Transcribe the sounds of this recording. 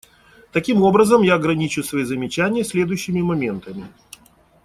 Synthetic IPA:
t̪ɐkʲimo̞bɾəzəmjaɐɡɾɐnʲit͡ɕʊsvɐizəmʲɪt͡ɕænʲɪjəsʲlʲe̞d̪ʊjɕːɪmʲɪmɐmʲe̞nt̪əmʲɪ

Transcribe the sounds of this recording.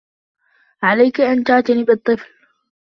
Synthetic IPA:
ʕalajkʔant̪aːt̪anibɨt̪ˤːɨfl

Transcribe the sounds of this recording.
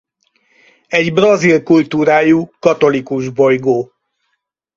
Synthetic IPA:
ɛɟbrɒzilkult̪uːɾaːjuːkɒt̪o̞likuʒbo̞jɡoː

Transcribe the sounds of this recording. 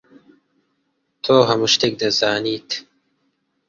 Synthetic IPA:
t̪ʰoːɦɐmuʃt̪ek̚d̪ɐzaːniːt̪ʰ

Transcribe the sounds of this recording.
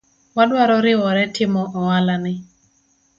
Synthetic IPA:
wadwaɾɔɾɪwɔɾɛtʰɪmɔʔɔwalanɪ

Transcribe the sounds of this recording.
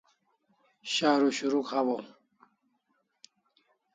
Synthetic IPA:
ɕaːɾuɕuɾukhawo

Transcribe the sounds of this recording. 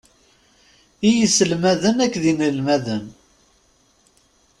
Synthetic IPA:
ijəsəlmæðənækːðinəlmæðən

